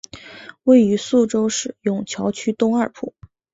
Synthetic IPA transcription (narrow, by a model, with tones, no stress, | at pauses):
we˥˩ɪy˧˥su˥˩ʈ͡ʂo˥ʊʂɻ̩˥˩jʊ˨˩ŋt͡ɕʰjɑ˧˥ʊt͡ɕʰy˥t̪ʊ˥ŋɐ˞˥˩pʰu˥˩˦